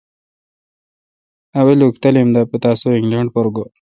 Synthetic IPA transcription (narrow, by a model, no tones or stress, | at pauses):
ɐwelukt̪ɐlimd̪apet̪aːsoiŋɡlaɳɖpoɾɡo